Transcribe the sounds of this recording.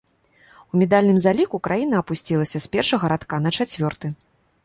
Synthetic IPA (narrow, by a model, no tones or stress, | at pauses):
umʲɛd̪alʲnɨmzalʲikukɾʔajinɐːpusʲt͡sʲilˠɐsʲɐspʲɛrʂɐɣɐɾat̪kanɐt͡ʂat͡sʲvʲɔrt̪ɨ